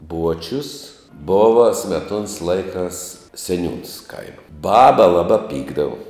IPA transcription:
ˈbuɔt͡ʃʲʊs ˈboːʋɐ sʲmʲɛˈtuɔns ˈlˠɐɪkɑːs sʲɛˈnʲuːns ˈkɐɪmɐ ˈbɑːbɐ ˈlˠɑːbɑː ˈpʲiːɡdɐʋʊ

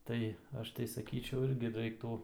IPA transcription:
ˈtɐɪ ˈɐʃ tɐɪ sɐˈkʲiːt͡ʃʲɛʊ ˈɪrʲɡʲɪ ˈrɐɪktuː

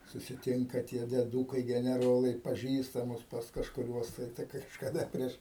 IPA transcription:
sʊsʲɪˈtʲɪŋkɐ tʲiɛ dʲiɛˈduːkɐɪ ɡʲɛnʲɛˈroːlˠɐɪ pɐˈʒʲiːstɐmʊs pɐs kɐʃkʊˈrʲuɔs tɐɪ tɐɪ kɐʃkɐˈdɐ ˈpʲrʲiɛʃ

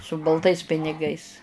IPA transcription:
sʊ bɐlˠˈtɐɪs pʲɪnʲɪˈɡɐɪs

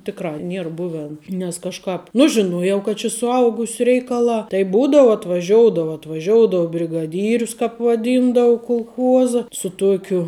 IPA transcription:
ˈtʲɪkˌrɑː ˈnʲiɛr ˈbʊʋʲɛn nʲɛs kɐʃˈkɑːp ˈnʊ ʒʲɪˈnuɔjɛʊ kɐt t͡ʃʲɪ sʊˈɐʊɡʊsʲʊ ˈrʲɛɪkɐˌlˠɑː tɐɪ ˈbuːdɐʋʊ ɐtʋɐˈʒʲoːʊdɐʋɐ ɐtʋɐˈʒʲoːʊdoːʊ bʲrʲɪɡɐˈdʲiːrʲʊs ˈkɑːp ʋɐˈdʲiːndɐʊ kʊlˠˈxuɔzɐ sʊ ˈtuɔkʲʊ

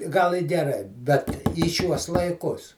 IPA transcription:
ˈɡɐlˠ ɪ ɡʲɛˈrɐɪ bʲɛt iː ˈʃʲuɔs lˠɐɪˈkʊs

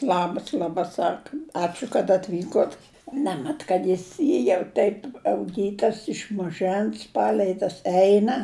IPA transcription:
ˈlˠɑːbɐs lˠɐˈbɐ ˈsɑːkɐ ˈɑːt͡ʃʲʊ kɐt ɐtʲˈʋʲiːkoːt ˈnʲæːmʲɛt kɐt ˈjɪs ˈjiː jɛʊ ˈtʲɛɪp ɐʊˈɡʲiːtɐs ɪʃ mɐˈʒɜns ˈpɑːlʲɛɪ tɐs ˈɛɪnɐ

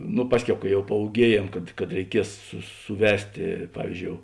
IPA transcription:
nʊ ˈpɑːsʲˌkʲɛʊ kɐ jɛʊ pɐuːˈɡʲiɛjeːm kɐt kɐt rʲɛɪˈkʲiɛs sʊ sʊˈʋʲæːsʲtʲeː ˈpɑːʋʲiːzʲˌd͡ʒʲoːʊ

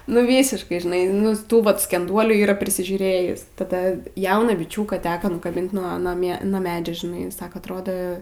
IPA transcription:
nʊ ˈʋʲiːsʲɪʃkɐɪ ʒʲɪˈnɐɪ ˈnʊ ˈtuː ʋɐt sʲkʲɛnˈduɔlʲuː iːˈrɐ pʲrʲɪsʲɪʒʲuːˈrʲeːjɪs tɐˈdɐ ˈjɛʊnɑː bʲɪˈt͡ʃʲuːkɑː ˈtʲæːkɐ nʊkɐˈbʲɪnt nuɔ nuɔ ˈmʲiɛ nuɔ ˈmʲæːd͡ʒʲɛ ʒʲɪˈnɐɪ ˈsɑːkɐ ɐtˈroːdoː

